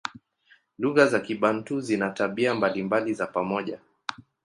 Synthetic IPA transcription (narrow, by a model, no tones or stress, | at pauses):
luɣazakiɓan̩tuzinataɓiambalimbalizapamɔʄa